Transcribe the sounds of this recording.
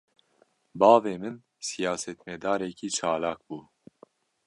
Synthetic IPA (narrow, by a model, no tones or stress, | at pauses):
bɑːveːmɨn | sijaːsɛt̪mɛd̪ɑːɾɛkiːt͡ʃʰɑːlaːk̚buː